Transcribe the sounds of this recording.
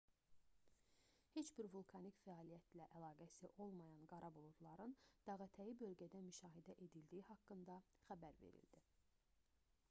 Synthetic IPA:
he̞t͡ʃbiɾvulˠkʰɑnicfæɑːlijæt̪læʔælˠɑːɡæsiʔo̞lˠmɑjɑnɡɑɾʔɑbolˠud̪lˠɑɾɯnd̪̥ɑɣɑt̪ʰæjibø̞lɟæd̪æmyʃɑːɦid̪æʔe̞d̪ild̪iihɑkːɯnd̪ɑχæbæɾvḛɾḭld̪̥i

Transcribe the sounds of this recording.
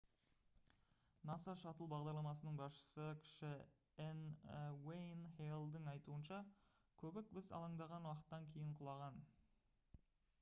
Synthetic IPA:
nɑsɑʃɑt̪əlˠbɑʁd̪ɑɾlˠɑmɑsənəɴbɑsʃə̥səkʲʰɪ̥ʃɪ | enwejnhelˠd̪əɴɑjt̪uənʃɑ | kʲʰɵbɪk̚bɪzɑ̰lˠɑɴd̪ɑʁɑnwɑqə̥t̪ːɑŋkʲʰe̞jɪɴqʰʊlˠɑʁɑn

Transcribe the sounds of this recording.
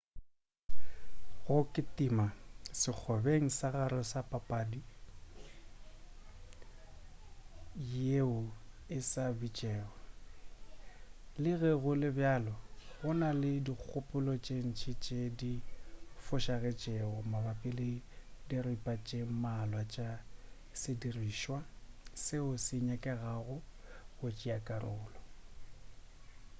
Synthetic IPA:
ɣʊkʼɪtʼimasɪk͡xʰɔbeŋ̩saɣaɾɔsapʼapʼaːdi | jeʊ | ɪsabit͡ʃʼɛːɣɔ | lɪɣɛɣʊlɪbjaːlɔɣʊnalɪdik͡xʰʊpʼʊlɔt͡ʃʼeŋ̩t͡ʃʰʼɪt͡ʃʼedifʊʃaɣɛt͡ʃʼeʊmabapʼɪlɪdiripʼat͡ʃʼemalwat͡ʃʼa | sɪdiriːʃwasɪʊsɪɲɛkʼɛɣaɣʊɣʊt͡ʃʼiakʼarʊ̰ːlɔ

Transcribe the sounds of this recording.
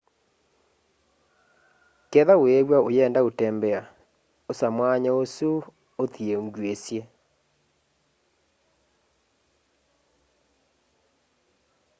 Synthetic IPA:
kɛðaweβwaojɛːndaotɛmbɛa | osamwaɲaoso | oθieoŋɡwesje

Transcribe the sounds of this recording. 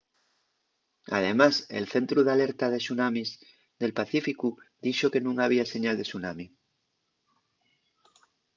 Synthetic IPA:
a̰ð̞e̞masḛlθe̞nt̪ɾuðale̞ɾt̪að̞e̞sunamiz | ðe̞lpaθifikud̪iʃoke̞nũŋaβ̞iase̞ɲald̪e̞sunami

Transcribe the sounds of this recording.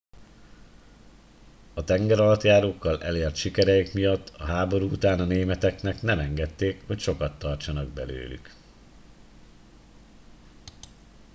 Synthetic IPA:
ɒt̪ɛŋɡɛɾɒlɒt̪jaːɾoːkːɒlɛ̰leːrt̪ʃikɛɾɛjikmijɒt̪ːɒɦaːbo̞ɾuut̪aːnɒneːmɛt̪ɛknɛknɛmɛŋɡɛt̪ːeːkho̞cʃo̞kɒt̪ːɒrt͡ʃɒnɒɡ̚bɛ̰lø̰ːly̰k

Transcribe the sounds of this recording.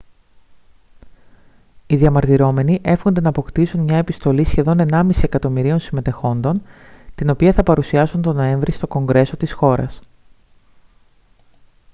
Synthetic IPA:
iðiɐmɐɾt̪iɾo̞me̞niʔe̞fxond̪enɐːpo̞kt̪isunmɲɐe̞pist̪o̞lisçe̞ðo̞ne̞nɐmisiekɐt̪o̞miɾio̞nsime̞t̪e̞xo̞nd̪o̞n | t̪ino̞piɐθɐpɐɾusiɐsunt̪o̞no̞e̞ɱvɾist̪o̞ko̞ŋɡɾe̞so̞t̪isxo̞ɾɐ̰s

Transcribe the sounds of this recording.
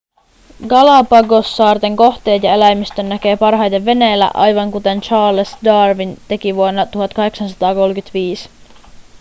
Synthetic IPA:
ɡɑlɑpɑɡo̞sːɑːrt̪e̞ŋko̞xt̪e̞ːt̪jɑe̞læjmist̪ønːæk̟e̞ːpɑrɦɑjd̪e̞ʋːe̞neːlːæ̰ʔɑ̰jʋɑŋkut̪e̞nt͡ʃɑːlesdɑːrʋint̪e̞kiʋuonːɑt̪uhɑt̪kɑɦe̞ksɑnsɑt̪ɑːko̞lk̟yt̪ʋiːs

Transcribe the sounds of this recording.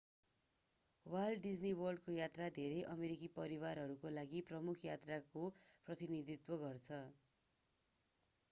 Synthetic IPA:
wajlɖɖid͡zniwʌrɖkojat̪rad̪ʱeɾʌjʔʌmeɾikipʌɾiwaɾɦʌɾukolaɡiprʌmukʰjat̪rakoprʌt̪inid̪it̪wʌɡʌrt͡sʰʌ

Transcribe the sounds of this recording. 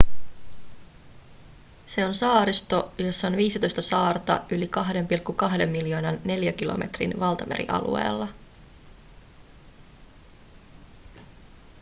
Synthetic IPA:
se̞o̞nsɑːɾist̪o̞jo̞sːɑonʋiːsit̪o̞jst̪ɑsɑːrt̪ɑ̰ʔylikɑɦde̞mpilkːukɑɦde̞mːiljo̞ːnɑnːe̞ljæk̟ilo̞̰me̞̰t̪rḭnʋɑlt̪ɑmeɾḭʔɑ̰lṵe̞̰ːlːɑ

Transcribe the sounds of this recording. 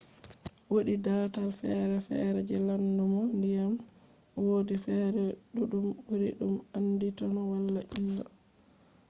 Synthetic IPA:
woɗidaːtalfɛɾɛfɛ̰ɾɛd͡ʒɛlandumɔndijam | wodifɛɾɛɗuɗumbuɾḭɗumanːditɔnɔwalːaʔilːa̰

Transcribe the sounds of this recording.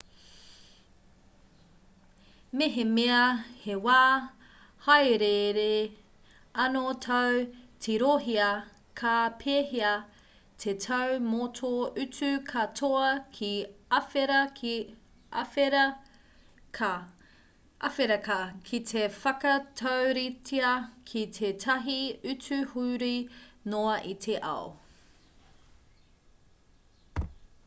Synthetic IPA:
meɦemeɐhewaː | hɐjɾeɾe | ɐnotʰɐwtʰeɾoɦiɐ | kʰɐpʰeːɦiɐ | tʰetʰɐwmotʰoʔʉt͡sʉkʰɐtʰoɐkʰiɐfeɾɐkʰ | e | ʔɐfeɾɐkɐkʰitʰefɐkɐtʰɐwɾitiɐkʰitʰetʰɐɦiʉt͡sʉhuːɾinoɐʔitʰeʔɐ̰o̰

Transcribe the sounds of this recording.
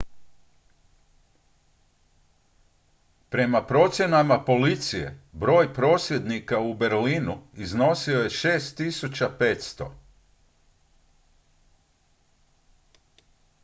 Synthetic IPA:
pɾe̞mapɾo̞ːt̪sje̞namapo̞lit̪sije̞̰bɾo̞ːjpɾo̞ːsje̞d̪nikaube̞ɾliːnuizno̞sio̞je̞ʃe̞ːst̪ːisut͡ɕape̞t̪st̪o̞̰

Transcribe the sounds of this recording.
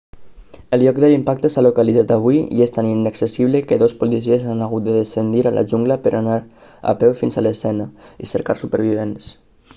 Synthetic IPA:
əlʎɔk̚dðəlimpak̚t̪əsalukəlid͡zat̪əβ̞uiḭest̪aninəksəsiβləkəðospulisiezanəɣut̪̚d̪əðəsənd̪iɾalʔə̰ʒuŋɡləpəɾʔanaɾ | ə̰pɛwfinzələsɛnəḭsəɾkaɾsupəɾβ̞iβ̞ens

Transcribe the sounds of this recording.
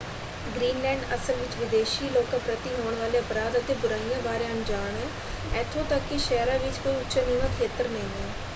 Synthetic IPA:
ɡɾiːnlɛ̃ːɳɖəsəlʋɪt͡ʃʋɪd̪eːʃiːloːkãːpɾət̪iɦoːɳ̃ʋaːleːəpɾaːd̪ət̪eːbʊɾaːijãːbaːɾejãːnd͡ʒaːɳɦɛː | ɛːt̪ʰːõːt̪əkːiʃɛːɾãːʋɪt͡ʃkoːiʊtːt͡ʃʃəniːʋãːkʰeːt̪əɾnəĩːɦɛː

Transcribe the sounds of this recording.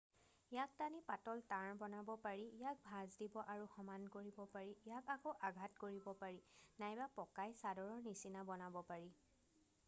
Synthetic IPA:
ijak̚tanipatɔltaɹbɔnabɔpaɹiːjak̚bʱazdibɔʔaɹuxɔmankoɹibɔpaɹijakakoʔaɡʱatkoɹibɔpaɹinajbapɔkajsadɔɹɔɹnisinabɔnabɔpaɹi

